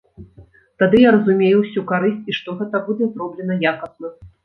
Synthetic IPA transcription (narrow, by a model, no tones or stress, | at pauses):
t̪ad̪ɨjaɾɐzumʲejuwsʲukaɾɨsʲt͡sʲiʂt̪ɔɣɛt̪ɐbud͡zʲɛzrɔblʲɛnɐjakɐsnɐ